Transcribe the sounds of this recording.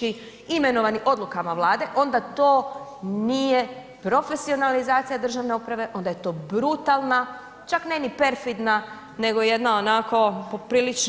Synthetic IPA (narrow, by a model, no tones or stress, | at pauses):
i | ime̞no̞ʋaniʔo̞d̪lˠukamaʋlˠaːd̪e̞ʔo̞nd̪at̪o̞ːnije̞ | pɾo̞fe̞sio̞nalizaːt̪sijad̪r̩ʒaʋne̞upɾaʋe̞ʔo̞nd̪aje̞t̪o̞ːbɾut̪alˠna | t͡ʃakne̞nipe̞ɾfid̪na | ne̞ɡo̞je̞d̪naonako̞po̞pɾiːlit͡ʃ